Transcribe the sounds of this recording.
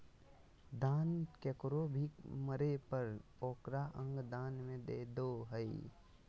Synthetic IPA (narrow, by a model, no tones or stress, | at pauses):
d̪aːnkekɾobʱiməɾepəɾ | oːkɾaʔə̃ŋɡd̪aːnmẽd̪eːd̪oɦəi